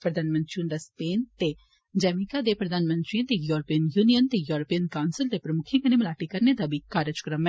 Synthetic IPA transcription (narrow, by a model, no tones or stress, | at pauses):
pɾəd̪aːnmə̃nt̪ɾind̪aspeːnt̪e | d͡ʒɛːmikad̪epɾəd̪aːnmə̃nt̪ɾiãt̪ejuːɾəpijənjuːnijənt̪eːjuːɾəpijənkaʊnsəld̪eːpɾəmʊkʰɪ̃kənemlaːʈikəɾned̪abʱiːkaːɾəd͡ʒkɾəmɛ